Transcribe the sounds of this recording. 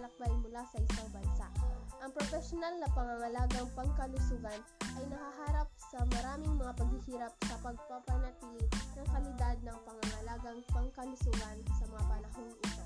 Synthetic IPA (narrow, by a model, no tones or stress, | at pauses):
lɐk̚bajmʊlasɐʔɪsaŋbɐnsa̰ʔʔɐŋpɾofɛʃonalnɐpɐŋɐŋɐlaːɡɐŋpɐŋkɐlʊsʊɡanʔɐjnɐhaɦaːɾɐp̚sɐmɐɾaːmɪŋmɐŋapɐɡ̚hɪhiːɾap̚sɐpɐɡ̚pɐpɐnɐt̪lɪnɐŋkɐlɪd̪ad̪̚nɐŋpɐŋɐŋɐlaːɡɐŋpɐŋkɐlʊsʊɡansɐmɐŋapɐnɐhoŋʔɪsa